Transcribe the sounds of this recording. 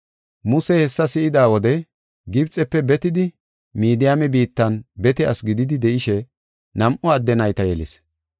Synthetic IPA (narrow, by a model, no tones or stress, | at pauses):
mʊsɛhɛsːɐsɪɪd̪aːwɔd̪ɛ | ɡɪbt͡sʼːɛpːɛbɛt̪ɪd̪ɪ | miːd̪ɪjaːmɛbiːt̪ːɐnbɛt̪ɛʔɐ̰sɡɪd̪ɪd̪ɪd̪ɛʔɪʃɛ | nɐmʔɔɐd̪ːɛnɐjt̪ɐjɛlɪ̰s